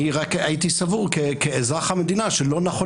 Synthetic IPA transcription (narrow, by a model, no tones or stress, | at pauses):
iʁakait̪isavuʁkekeezʁaχhame̞d̪inaʃelo̞naχo